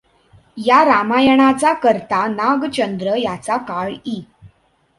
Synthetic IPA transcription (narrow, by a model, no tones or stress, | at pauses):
jaɾamajəɳ̃at͡sakəɾt̪anaɡt͡ɕənd̪ɾəjat͡sakaɭi